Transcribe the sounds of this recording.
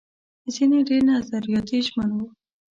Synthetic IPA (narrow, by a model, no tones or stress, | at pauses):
zineɖeɾnazaɾijɑt̪iʒmənwu